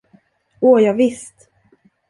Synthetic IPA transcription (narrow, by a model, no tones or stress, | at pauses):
oːjɑːɡvɪst̪